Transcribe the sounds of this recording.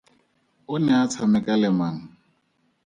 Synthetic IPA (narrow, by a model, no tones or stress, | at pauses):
ʊnɛat͡sʰamɛkʼalɛman̩